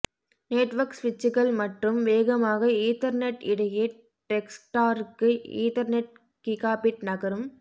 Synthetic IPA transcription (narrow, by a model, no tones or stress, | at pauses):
neːʈʋɐɾksʋɪt͡ʃːɯɣɐɭmɐʈrɯmʋeːɣɐmaːɣɐiːt̪ɐɾneʈɪɽɐje | ʈɛksʈaːɾɯkːɯḭːt̪ɐɾneʈ̚ | kikaːpɪʈnɐɣɐɾɯm